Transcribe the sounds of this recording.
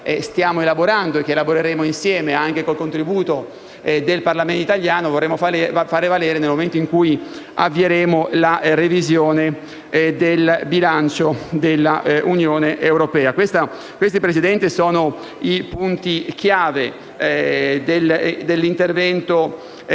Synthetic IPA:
ɛst̪jaːmoelaboɾand̪oek̟ːeːlaboɾeɾeːmoinsjɛːmeaŋkekolkont̪ɾibuːt̪o | d̪elparlament̪oit̪aljaːnovorːeːmːoffaːɾevalɛːɾenelmoment̪oiŋkuːja̰vːieɾeːmolarevizjoːne | d̪elbilant͡ʃod̪elːaʔunjoːneʔewɾopɛːakwest̪a | kwest̪ipɾesid̪ɛnt̪isoːno | ipunt̪ikjaːve | d̪eld̪elːint̪ervɛnt̪o

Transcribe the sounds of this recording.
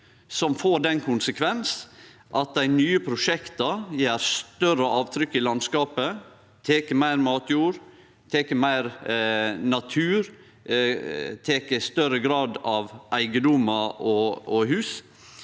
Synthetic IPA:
sɔmfoːɖɛnkʰʊnsəkʰʋɛns | ʔɑt̪̚d̪æɪnyːəpʰɾʊʂɛkt̪ɑjeːɾst̪œrəʔɑːʋt̪ʰɾʏkːɪlɑnskɑːpə | t̪ʰeːkəmæɪɾmɑːt̪ʰjuːɾ | t̪ʰeːkəmæɪɾ | nɑt̪ʰʉːɾ | t̪ʰeːkəst̪œɾəɡɾɑːd̪ɑʋʔæɪɡəd̪ʊmɑɔɔɦʉːs

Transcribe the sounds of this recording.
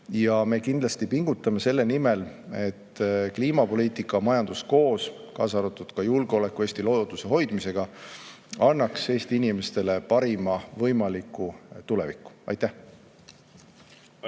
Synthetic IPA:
jɑme̞kind̪lɑst̪ipiŋɡ̥ut̪ːˑɑme̞se̞lːe̞nime̞le̞t̪ːkliːmɑpo̞liːt̪ˑikːˑɑmɑjɑnd̪̥usko̞ːs | kɑːsɑɾut̪ːˑud̪̥kɑjulɡ̥eo̞le̞kːue̞ːst̪ilo̞jot̪use̞ɦo̞jd̪̥mise̞ɡ̥ɑ | ɑnːɑkse̞ːst̪iinime̞st̪e̞le̞pɑɾimɑvɤ̞jmɑlikːˑut̪ule̞̰vikːˑu̥ʔɑ̰jt̪æh

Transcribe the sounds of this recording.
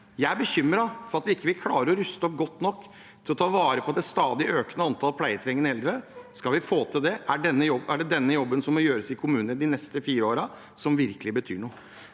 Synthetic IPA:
jæɪæɾbəçʏmːɾɑfɔɾɑt̪ʋɪɪkːəʋɪlkʰlɑːɾəɾɔɾʉst̪ɔp̚ɡɔt̪ːnɔkː | t̪ʰɪlɔt̪ʰɑːʋɑːɾəpʰɔd̪ɛst̪ɑːd̪ɪʔøːknəɑnt̪ʰɑlpʰlæɪət̪ʰɾɛŋːənɛld̪ɾəskɑlʋɪfoːt̪ʰɪld̪ɛʔæɖɛnːəjɔbæɖɛd̪ɛnːəjɔbːənsɔmːɔjøːɾəsɪkʰʊmʉːnənəd̪ɪnɛst̪əfiːɾəoːɾɑ | sɔmʋɪɾkəlɪbət̪ʰyːɳuː

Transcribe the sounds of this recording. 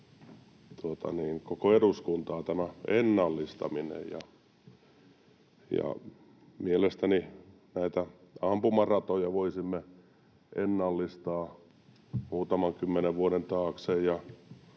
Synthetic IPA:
t̪uot̪ɑ̰niːŋkokoeɾuskunt̪ɑːt̪æmæenːɑlːist̪ɑ̰minḛjjɑ̰ | jɑ̰ | mielest̪æni | næit̪æɑmpumɑrɑt̪ojɑʋoisimːe | ʔenːɑlːist̪ɑː | muːt̪ɑmɑŋkymːeneʋʋuoɾent̪ɑːksejjɑ

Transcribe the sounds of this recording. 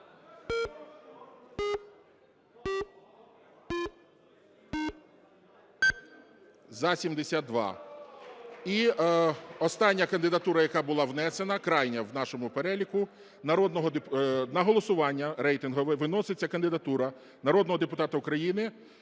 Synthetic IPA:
zɐsʲimd̪esʲad̪̚d̪ʋɑ̰ | i | ɔst̪ɑnʲːɐkɐnd̪ɪd̪ɐt̪uɾɐjɐkɑbʊlˠɑʋnɛsenɐkɾɑjnʲɐwnɑʃɔmʊpeɾɛlʲikʊ | nɐɾɔd̪nɔɦɔd̪nɐɦɔlˠɔsʊʋɑnʲːɐɾɛjt̪ɪnɦɔʋɪʋɪnɔsɪt͡sʲːɐkɐnd̪ɪd̪ɐt̪uɾɐ | nɐɾɔd̪nɔɦɔd̪epʊt̪ɑt̪ɐʊkɾɐjinɪ

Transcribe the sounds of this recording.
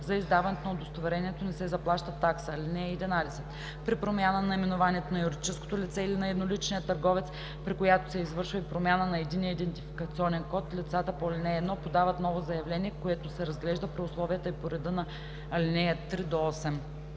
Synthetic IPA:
zɐizd̪avɐnɛt̪onɐod̪ost̪ovɛɾɛniɛt̪onɛsɛzɐplˠaʃt̪ət̪ːaksəːlʲinɛjəid̪ɛnalisət̪ | pɾipɾomʲanənɐimɛnovanʲiɛt̪onɐjuɾd̪it͡ʃɛsko̥t̪olit̪sɛilinɐɛd̪nolit͡ʃnijət̪ɐɾɡɔvɛt̪s | pɾikojat̪osɛizvɤɾʃvɐipɾomʲjanənɐɛd̪inijəid̪ɛnt̪ifi̥kɐt̪siɔnɛnkɔt̪lʲit̪sat̪əpoɐlʲinɛɛːd̪nɔpod̪avət̪nɔvozɐjɐvlɛnʲiɛkoɛt̪osɛɾɐzɡlɛʒd̪əpɾiʊslˠɔviət̪əipoɾɛd̪ɤnɐ | ɐlʲinɛjət̪ːɾid̪oɔsɛm

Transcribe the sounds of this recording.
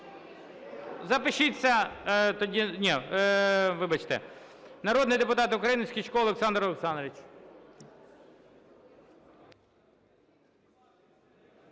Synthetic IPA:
zɐpɪʃɪt͡sʲːɐt̪ɔdʲinʲi | ʋɪbɐt͡ʃt̪ɛ̰nɐɾoɔd̪nɪjd̪epʊt̪ɑt̪ʊkɾɐjinɪsʲkʲit͡ʃkɔɔlˠeksɑnd̪ɾɔlˠeksɑnd̪ɾʋʲit͡ʃ

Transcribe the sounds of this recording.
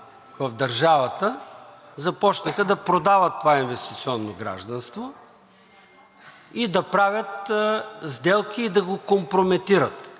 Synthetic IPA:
vɐvd̪ɐɾʒavɐt̪ə | zɐpɔt͡ʃnəxəd̪ɐpɾod̪avət̪ːovainvɛst̪it̪siɔnːoɡɾa̰ʒd̪ɐnst̪vo | id̪ɐpɾavʲjət̪ | zd̪ɛlˠkiːd̪ɐɡokompɾomɛt̪iɾət̪

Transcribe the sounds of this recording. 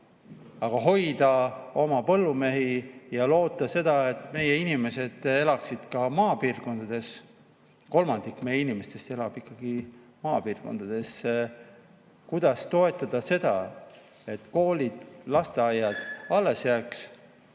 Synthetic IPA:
ɑɡ̥ɑɦo̞jd̪̥ɑo̞mɑpɤlːume̞ɦijɑlo̞ːt̪ːˑɑse̞d̪ɑe̞t̪ːˑme̞jeinime̞se̞d̪̥e̞lɑksid̪̥kɑmɑːpiːrko̞nd̪̥ɑd̪̥e̞s | ko̞lmɑnd̪̥ikːme̞jeinimest̪e̞st̪e̞lɑb̥ikːˑɑɡ̥i | mɑːpiːrɡ̥o̞̰nd̪̥ɑd̪̥e̞sːe | kujd̪̥ɑst̪o̞e̞t̪ːˑɑd̪̥ɑse̞d̪ɑ | e̞t̪ːˑko̞ːlʲid̪̥lɑst̪e̞ɑjːɑd̪̥ɑlːe̞sjæːks

